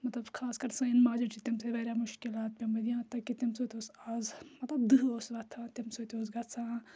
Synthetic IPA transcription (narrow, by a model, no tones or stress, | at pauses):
mɐt̪lɐbkʰaːskɐɾsɐ̃inmaːd͡ʒɐt͡ʃit̪imseʋeːɾʲamʊʃkɪlaːt̪̚pemɐd̪ijãːt̪ːɐkit̪imsot̪ʲoːsaːzmɐt̪lɐbd̪ɨɦoːsʋɐt̪ʰãːt̪imsot̪ʲoːs̬ɡɐsʰãː